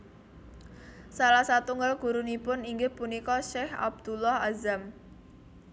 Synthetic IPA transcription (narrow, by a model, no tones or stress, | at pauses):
salahsat̪uŋɡalɡ̥ṳɾunipʊniŋɡɪhpunikɔʃɛha̰b̚d̪̥ulɔhazam